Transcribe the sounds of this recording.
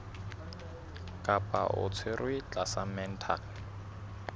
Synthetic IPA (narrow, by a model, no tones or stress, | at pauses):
kʼapʼa̰ʔʊ̰t͡sʰɪrwɪt͡ɬʼasamɛn̩tʰa̰n